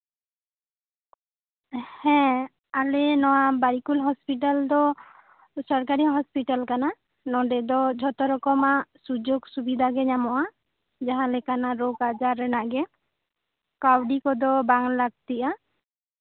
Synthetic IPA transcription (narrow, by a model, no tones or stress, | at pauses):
hɛ̃ | alɛnɔwabaɾikulɦɔspiʈald̪ɔ | sɔɾkaɾiɦɔspiʈalkana | nɔɖɛd̪ɔd͡ʒʱɔt̪ɔɾɔkɔmaʔsud͡ʒoɡsubid̪ʱaɡɛɲamɔʔa | d͡ʒaɦãlɛkanaɾoɡad͡ʒaɾɛnaʔɡɛ | kawɖikɔd̪ɔbaŋlaɡ̚t̪iʔa